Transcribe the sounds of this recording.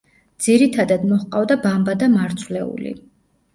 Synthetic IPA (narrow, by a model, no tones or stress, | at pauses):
d̪z̥iɾit̪ʰad̪ad̪mɔχqʼavd̪abambad̪amaɾt̪sʰvlɛṵlḭ